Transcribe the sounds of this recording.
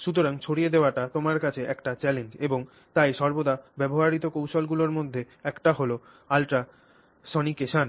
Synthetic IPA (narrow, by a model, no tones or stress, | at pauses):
ʃut̪̬oɾaŋt͡ɕʰoɽied̪eoaʈat̪omaɾkat͡ɕʰeʔɛkʈat͡ɕɛlend͡ʑeboŋ | t̪ajʃɔɾbod̪abɛboɦaɾit̪okowʃolɡuloɾmod̪ʱːe | ɛkʈaɦolo | alʈa | ʃɔnikeʃan